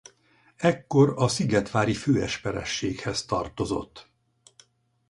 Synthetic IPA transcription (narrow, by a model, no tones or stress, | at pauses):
ɛkːo̞ɾɒsiɡɛt̪ʋaːɾiføːɛʃpɛɾɛ̰ʃːeːkhɛst̪ɒrt̪o̞zo̞̰t̪ː